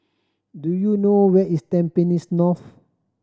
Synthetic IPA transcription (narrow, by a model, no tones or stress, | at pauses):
dujunowɛtistɛ̃mpẽnisnɔf